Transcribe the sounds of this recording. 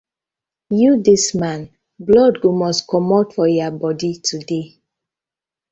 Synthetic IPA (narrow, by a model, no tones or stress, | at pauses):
judismãn | blɔdɡomɔskɔmɔtfɔjabɔditʰude